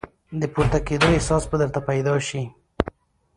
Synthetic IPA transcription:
d̪əpuɾt̪aked̪oɪhsɑsbəd̪əɾt̪apajd̪ɑʃi

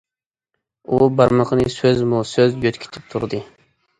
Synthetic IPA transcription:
ubɑɾməqʰənɨsøzmusøzjøt̪kʲʰi̥t̪ʰɪp̚t̪ʰuɾd̪ɨ

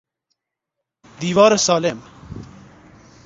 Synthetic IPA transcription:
d̪iːʋaːɾesaːlem

